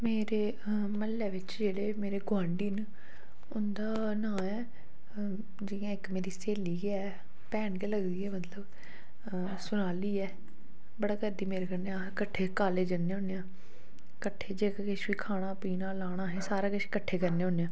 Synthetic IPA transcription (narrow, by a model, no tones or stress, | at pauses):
meːɾeː | məlːɛːʋɪt͡ʃd͡ʒeːɽeːmeːɾeːɡʊãːɳɖiːn | ʊnd̪aː | nãːɛː | d͡ʒɪãːɪkmeːɾiːseːliːɡeaː | pɛːɳkeləɡd̪iːɛːmət̪ləb | sʊnaːliːɛː | bəɽaːkəɾd̪iːmeːɾeːkəɾneãːkəʈʰeːkaːleːd͡ʒəneːõːneãː | kəʈʰːeːd͡ʒeːkkɪʃʋiːkʰaːɽ̃aːpiːnãːlaːɽ̃aːɦɛːsaːɾaːkəʃkəʈʰːeːkəɾneːõːneãː